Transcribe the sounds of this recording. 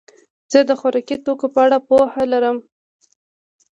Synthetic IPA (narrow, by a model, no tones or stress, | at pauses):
z̥əd̪əxaɾɑkit̪okopəaɽapohalaɾəm